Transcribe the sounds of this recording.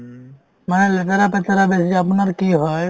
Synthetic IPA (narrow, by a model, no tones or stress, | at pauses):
manɛlɛt̪aɾapɛt̪aɾabesid͡ʒapnaɾkiɦɔj